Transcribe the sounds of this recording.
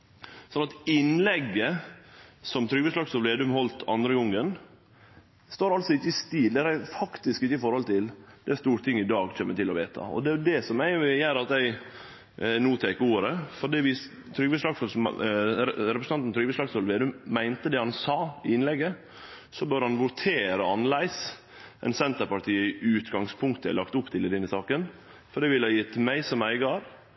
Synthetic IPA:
sɔnɑt̪ɪnlɛɡːə | sɔmt̪ʰɾʏɡʋəsʂlɑksɔlʋeːd̪ʉmhɔlt̪ʰɑ̰nd̪ɾəʊŋːən | st̪oːɾɑlsɔɪçəɪst̪iːld̪ɛæɾæfɑkt̪ɪskɪçːəɪfɔɾhɔlt̪ʰɪld̪ɛæst̪uːɾt̪ʰɪŋːɪd̪ɑːɡt͡ʃʰɛmːət̪ɪlːɔʋḛːt̪ʰɑ̰ɔ̰d̪ɛæd̪ɛsɔmæɪʋɪjæɾɑt̪æɪ | nuːt̪ʰɛːkuːɾəfɔɖiːʋɪ | t̪ʰɾʏɡʋeʂlɑɡs | ɾɛpɾəsn̩ʰɑnt̪n̩t̪ʰɾʏɡʋeslɑksɔlʋeːd̪ʉmːæɪnt̪əd̪ɛhɑnsɑːɪɪnlɛɡːə | sɔbøːɾhɑnʋʊt̪ʰeːɾəɑnlæɪs | ʔɛ̰ɪnsɛnt̪əɾpɑʈʰiːəɪʔʉːt̪ɡɑŋspʰʊŋkt̪əæ̰ɪlɑkt̪ʊpːt̪ʰɪlɪd̪ɪnəsɑːkən | fɔɖɛːʋɪləɑjɪt̪ʰːmæɪsɔmæɪɡɑɾ

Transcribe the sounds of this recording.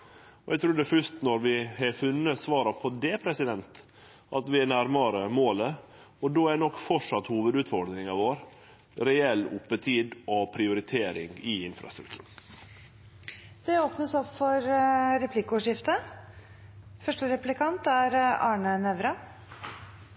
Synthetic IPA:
ɔʔæɡt̪ʰɾuːɖɛfœʂt̪nɔɾʋɪhɛfʉnːəsʋɑːɾɑpʰɔd̪ɛpʰɾɛsɪd̪ɛnt̪ | ʔɑt̪ʋɪænæɾmɑɾəmoːlə | ɔd̪oːænɔkːfɔʂɑt̪ːhuːʋəd̪ʉːt̪fɔɾɖ̪nɪŋɑʋoːɾ | ɾɛɛlːʊpːət̪ʰiːd̪ɔpʰɾɪʊɾɪt̪ʰeːɾɪ̰ŋɪɪnfɾɑ̰st̪ɾʉkt̪ʰʉ̰ːɳ | d̪̥ɛoːpnəsɔpfɔɾɾɛpʰlɪkːʊːʂɪft̪ə | fœʂʈəɾɛplɪkʰɑnt̪æɾɑ̰ːɳənɛʋɾɑ

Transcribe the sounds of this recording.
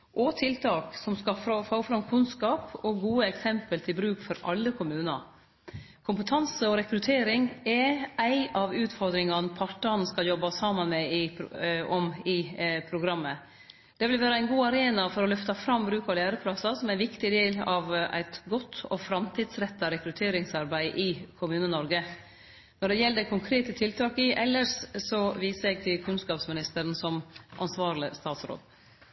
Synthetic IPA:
ʔɔt̪ʰɪlt̪ʰɑːksɔmskɑfɾofoːfɾɑmkʰʉnskɑːpɔɡuːəɛksɛmpəlt̪ʰɪlbɾʉːkfɔɾʔɑ̰lːəkʰʊmʉːnɑ̰ | kʰʊmpət̪ʰɑnsəɔɾɛkɾʉt̪ʰeːɾɪŋɛæɪʔɑʋʉːt̪fɔɾd̪ɾɪŋɑnpʰɑʈːɑnskɑljɔbɑsɑːmɑnmɛɪ | ɔmɪpʰɾʊɡɾɑmːə | d̪̥ɛʋɪlʋæːɾəæɪnɡuːɑɾeːnɑfɔɾɔlœft̪ɑfɾɑmbɾʉːkɑʋlæːɾəpʰlɑsɑsɔmæɪʋɪkt̪ɪd̪eːlɑʋæ̰ɪt̪ɡɔt̪ʰːɔ̰fɾɑmt̪ʰɪd̪sɾɛt̪ːɑɾɛkɾʉt̪ʰeːɾɪŋsɑɾbæɪʔɪkʰʊmʉːnənɔɾɡə | nɔɖɛjɛlːd̪ɛkʰʊŋkʰɾeːt̪ət̪ʰɪlt̪ʰɑːkɪʔɛlːəʂsɔʋiːsəɾɛɡ̚t̪ʰɪlkʰʉnskɑːpsmɪnɪst̪əɾnsɔmʔɑnsʋɑːɾləst̪ɑːt̪sɾo̰ːd̪

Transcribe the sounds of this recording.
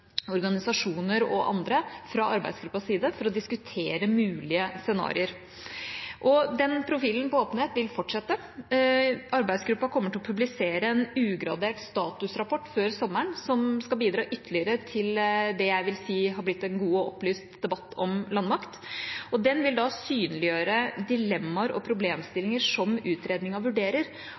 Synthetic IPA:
ɔɾɡɑnɪsɑʂuːnəɾɔ̰ʔɑ̰nd̪ɾəfɾɑɑɾbæ̰ɪsɡɾʉpːɑsːiːd̪əfɔɾɔd̪ɪskʉt̪ʰeːɾəmʉːlɪəsɛnɑ̰ːɾɪəɾ | ʔɔd̪ɛnpʰɾʊfiːlən̩pɔoːpən̩heːt̪ʋɪlfɔʈʂɛt̪ːə | ɑɾbæɪd̪sɡɾʉpːɑkʰɔmːəʈʰɪɔpʰʉblɪseːɾəɛnʉːɡɾɑ̰d̪eːʈst̪ɑːt̪ʉsɾɑpʰɔʈːføːɾsɔmːəɳsɔmskɑbiːd̪ɾɑːʔʏt̪ːəɭɪəɾət̪ʰɪld̪ɛjæɪʋɪlsiːɦɑɾblɪt̪ːɛnɡuːɔɔplyːst̪d̪ɛbɑt̪ːɔmlɑnmɑkt̪ɔd̪ɛnʋɪld̪ɑsyːnəlɪjøːɾəd̪ɪlɛmːɑɾɔ̰pʰɾʊbleːmst̪ɪlɪŋəʂɔmʉːt̪ɾeːd̪nɪŋɑʋʉɖeːɾəɾ

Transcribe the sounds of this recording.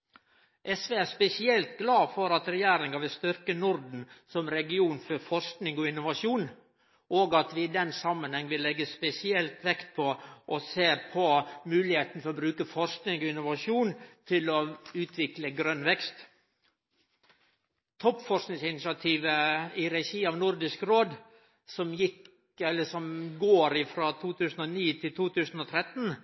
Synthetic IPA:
ʔɛsʋeːæspɛsɪɛlt̪ɡlɑːfɔɾɑt̪ɾɛjæːɾɪŋɑʋɪlst̪ʏɾkənʊɾd̪n̩sɔmɾɛɡɪuːnfɔɾfɔɾsknɪŋɔɪnːʊʋɑʂuːn | ʔoːɡɑt̪ʋɪɪd̪ɛnsɑmːənhɛŋːʋɪlɛɡːəspɛsɪɛlt̪ʋɛkt̪̚pʰɔʔɔseːpʰɔmʉːlɪheːt̪n̩fɔɾɔbɾʉːkəfɔɾsknɪŋɔɪnːʊʋɑʂuːnt̪ʰɪlɔʉːt̪ʰʋɪkləɡɾœnʋɛkst̪ | t̪ʰɔpːfɔʂsknɪŋsɪnɪʃɑt̪ʰiːʋəɪɾɛʃiːɑʋnʊɾd̪ɪskɾoːd̪ | sɔmjɪk | ɛlːəsɔmɡoːɾɪfɾɑt̪ʰuːt̪ʰʉːsn̩ɔniːt̪ʰɪlt̪ʰuːt̪ʰʉːsn̩ɔt̪ʰɾɛt̪n

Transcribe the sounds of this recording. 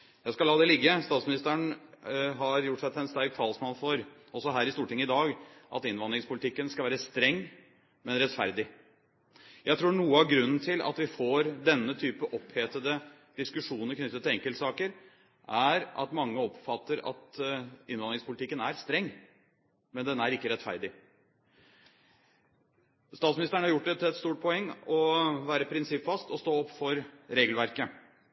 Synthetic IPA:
jæɪskɑlɑːd̪ɛlɪɡːəst̪ɑːt̪smɪnɪst̪əæɳ | ɦɑɾjʊʈːsɛt̪ʰɛɪnst̪æɾk̚t̪ʰɑlsmɑnfɔɾ | ɔsɔɦæːɾɪst̪uːʈʰɪŋːəɪd̪ɑːɡʔɑ̰t̪ɪnʋɑnd̪ɾɪŋspʊlɪt̪ʰɪkːənskɑʋæːɾəst̪ɾɛŋː | mɛnɾɛt̪fæɾd̪ɪ | jæɪt̪ʰɾuːɳuːəɑʋɡɾʉnːn̩t̪ʰɪlʔɑ̰t̪ʋɪfoːɾd̪ɛnːət̪ʰyːpəʔɔpheːt̪əd̪ə | d̪̥ɪskʉʂuːnəkʰnʏt̪ːət̪ʰːɪlɛŋkəlt̪sɑːkəɾ | ʔæɾʔɑ̰t̪mɑŋːəɔpfɑt̪ːəɾɑ̰t̪ɪnʋɑnɾɪŋspʰʊlɪt̪ɪkːənæɾst̪ɾɛŋː | mɛnd̪ɛnːæɾɪkːəɾɛt̪fæ̰ɾd̪ɪ | st̪ɑːt̪smɪnɪst̪əɳəhɑɾjʊʈ̚ːd̪ɛt̪ʰɪɛt̪st̪uːʈ̚pʰɔɛŋːɔʋæːɾəpʰɾɪnsɪpfɑst̪ɔst̪oːɔpːfɔɾɾeːɡəlʋæɾkə

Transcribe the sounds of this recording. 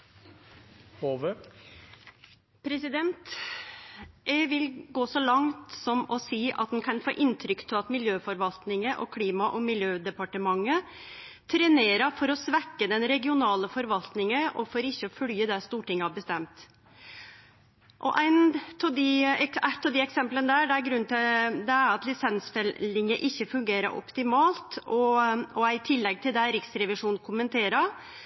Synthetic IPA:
hoːʋə | pʰɾɛsɪd̪ɛnt̪ | ɛʋɪlɡoːsɔlɑŋt̪sɔmɔsiːʔɑ̰t̪̚ɛnkʰɑnfo̰ːʔɪnt̪ʰɾʏkt̪ʰɪlɑt̪mɪljøːfɔɾʋɑlt̪nɪŋəʔɔ̰kʰliːmɑʔɔmɪljøːd̪ɛpɑʈəmɑŋːə | t̪ʰɾɛneːɾɑfɔɾɔsʋækːəd̪ɛnɾɛɡɪʊnɑːləfɔɾʋɑlt̪nɪŋəʔɔfɔɾɪçːəɔfœljəd̪ɛst̪uːʈɪŋːəhɑbəst̪ɛmt̪ | ʔɔʔæɪnt̪ʰɔd̪ɪæt̪ːɑd̪ɪɛksɛmplənd̪æɖɛæɾɡɾʉnt̪ɪd̪ɛæɾɑt̪lɪsɛnsfɛlɪŋəʔɪçːəfʉŋɡeːɾə̰ɾʔɔ̰pt̪ɪmɑːlt̪ɔɔæɪt̪ʰɪlːɛɡ̚t̪ʰɪld̪ɛɾɪksɾɛʋɪʂuːn̩kʰʊmənt̪ʰeːɾə

